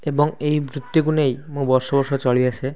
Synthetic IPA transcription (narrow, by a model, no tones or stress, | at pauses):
ebɔŋejbɾut̪ːiɡunejmũbɔɾʃɔbɔɾʃɔt͡ʃɔɭiasʰe